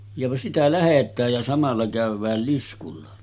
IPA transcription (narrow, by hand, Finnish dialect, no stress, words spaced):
jɑ sitæ læhetˑæːj jɑ sɑmɑlːɑ kæˑyʋˑæːl liskulːɑ